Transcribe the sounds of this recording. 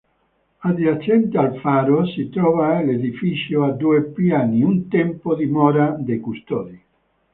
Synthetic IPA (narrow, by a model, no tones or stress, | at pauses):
ad̪iat͡ʃɛnt̪ealfaːɾosit̪ɾɔvaleðifit͡ʃjoad̪uepjaniunt̪ɛmpod̪imɔɾad̪ekust̪ɔd̪i